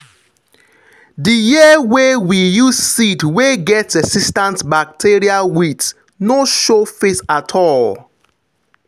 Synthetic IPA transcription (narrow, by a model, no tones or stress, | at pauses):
dijiəwewijuz̥sidweɡɛtsɛsistãntbak̚tʰiɹiawit | noʃofesatʰɔl